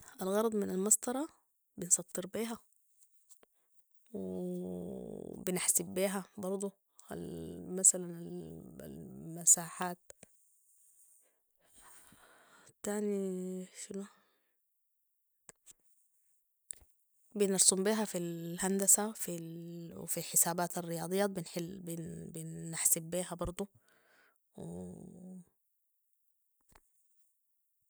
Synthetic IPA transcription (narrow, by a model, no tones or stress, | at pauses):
ʔælɣɑɾˤɑd̪ˤmɪnælmɑsˤt̪ˤɑɾˤɑ | bensˤɑt̪ˤːeɾbiːɦæ | we | bɪneħsibbːiːɦæbɑɾˤd̪ˤo | æ̰lmæsælænel̰lmæsaːħaːt̪̚ | t̪ːaːniʃɪnu | bɪnɑɾsˤumbiːɦafilhand̪asafiw̰filħɪsaːbaːt̪arːɪjɑːd̪ˤɨjːabɪnħɪlbɪnbɪnːaħsɪbːiːɦabɑɾˤd̪ˤu | w̰